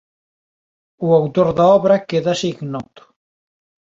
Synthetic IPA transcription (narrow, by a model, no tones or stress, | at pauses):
uawt̪oɾðaɔβɾɐkeðɐsiɡnɔt̪ʊ̥